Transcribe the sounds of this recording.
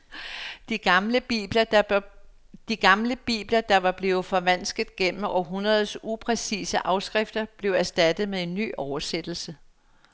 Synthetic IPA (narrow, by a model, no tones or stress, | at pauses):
d̥iɡ̥mləb̥ib̥lɐ | d̥iɡ̥ɑ̈mləb̥ḭːb̥lɐd̥ɑ̈ʋɑ̈b̥le̝ːʊð̩ˠfɒ̽ʋæn̰sɡ̥ð̩ˠɡ̥em̰m̩ʔɒɦunʁɐð̞ˠsupʰʁɛsḭːsəʔɑ̈ʊsɡ̥ʁefd̥ɐb̥le̝ʊæɐsd̥æd̥ð̞̩ˠmeðˠe̝nːy̰ːʔɒʊɐsed̥l̩sə